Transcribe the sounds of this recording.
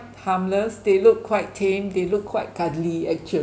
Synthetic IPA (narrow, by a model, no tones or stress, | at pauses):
hãmləsdelukʰːwaɪt̚tʰẽmdelʊkʰwaɪt̚kadliɛk̚t͡ʃə